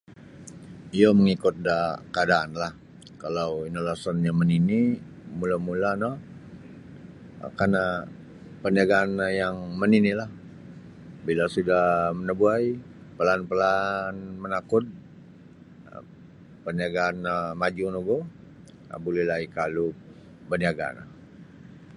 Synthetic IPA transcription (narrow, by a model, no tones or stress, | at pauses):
ijoməŋikʊt̪̚dakəadaʔanlah | kalawinolasɔnɲamənini | mulamulanɔ | karna | pərniaɡaːnjaŋməninilah | bilasudahmənəbuaj | pəlanpəlanmənakʊt̪̚ | pəniaɡaːnmad͡ʒunuɡo | a̰bulɛhlaikalu | bərniaɡa̰na